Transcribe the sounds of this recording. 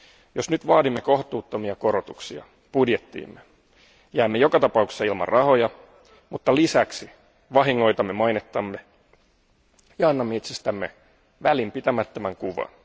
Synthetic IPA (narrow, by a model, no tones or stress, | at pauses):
josnyt̪ʋɑːdimːeko̞ht̪uːt̪ːomiɑko̞ɾot̪uksiɑ̰ | pudjet̪ːḭːmːe | jæːmːejo̞kɑt̪ɑpɑukse̥sːɑilmɑ̰rrʔɑho̞jɑ | mut̪ːɑlisæksi | ʋɑɦiŋːo̞jt̪ɑmːemɑjnet̪ːɑmːe | jɑɑnːɑmːeit̪sest̪æmːe | ʋælimpit̪æmæt̪ːømæŋkuʋɑ̰n